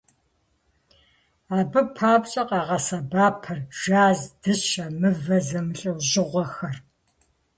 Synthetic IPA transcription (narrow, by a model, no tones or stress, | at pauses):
aːbɨpʰaːbɕʼɐqɑːʁɐsɐbaːpʰɐrʒ̥aːzd̥ɨsʃamɨvɐzɐmɨɬʼɨwʑɪʁʷɔxɐr